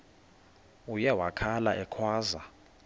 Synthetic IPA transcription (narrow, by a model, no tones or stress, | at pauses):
ujɛwakʰalaʔɛkʰwaːza